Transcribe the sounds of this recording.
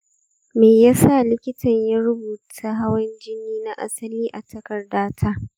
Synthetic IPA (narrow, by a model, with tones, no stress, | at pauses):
meː˨ja˦sa˦˨lɪ˦kʲɪ˦tʰɐ˨ɲja˦ɾʊ˦buː˨tʰaː˦ɦa˦wɐ˦nd͡ʒɪ˦nːiː˦na˦ʔa̰˦sɐ˦liː˦ʔa˨tʰɐ˦kɐ˨rdaː˦tʰaː˦